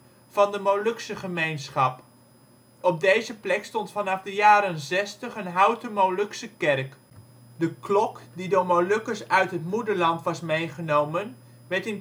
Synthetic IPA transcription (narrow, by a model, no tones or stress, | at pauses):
fɑndəmowlɵksəχəmejnsχɑp | ɔp̚dejzəplɛkstɔntfɑnɑfdəjaːɾənzɛstəχənɦɑwtəmowlɵksəkɛrk | dəklɔkdidoːɹmowlɵkəsœɥtɦətmudəɹlɑntʋɑsmejχənowmən | ʋɛɹtɪn